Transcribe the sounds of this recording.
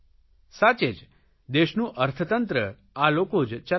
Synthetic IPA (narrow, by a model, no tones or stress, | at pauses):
sat͡ʃed͡ʒ | d̪eʃnũʔəɾt̪ʰət̪ənt̪ɾə | alokod͡ʒt͡ʃə